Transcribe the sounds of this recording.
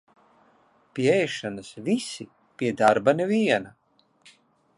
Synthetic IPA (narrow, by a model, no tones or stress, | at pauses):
pʲiɛɛjʃanɨsvisi | pʲiɛd̪aɾbaneviɛna